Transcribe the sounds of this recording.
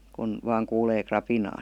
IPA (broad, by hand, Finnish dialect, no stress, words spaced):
kun ʋɑːŋ kuːleː krɑpinɑː